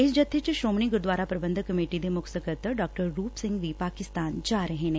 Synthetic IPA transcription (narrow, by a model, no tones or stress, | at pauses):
ɪsd͡ʒət̪ʰːet͡ʃʃɾoːməɳiːɡʊɾd̪waːɾaːpɾəbə̃nd̪əkːəmeːʈid̪eːmʊksəkət̪ɖɔːk̚ʈəɾːuːpsɪ̃ŋɡʋiːpaːkɪst̪aːnd͡ʒaːɾəɦeːneː